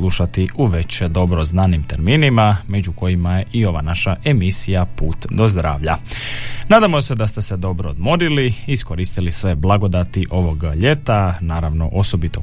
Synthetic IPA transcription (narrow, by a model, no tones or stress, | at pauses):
lˠuʃat̪iuʋe̞t͡ɕed̪o̞bɾo̞znaːnimt̪eɾmiːnimame̞d͡ʑuko̞jimaje̞ʔioʋa̰naʃaʔe̞misijapuːt̪d̪o̞zd̪ɾa̰ːʋʎa̰ | naːd̪amo̞sed̪ast̪e̞sed̪o̞bɾood̪mo̞ɾiliisko̞ɾiːst̪ilisʋe̞blˠaɡo̞d̪at̪iʔo̞ʋo̞ɡʎe̞t̪anaːɾaʋno̞ʔo̞so̞bit̪o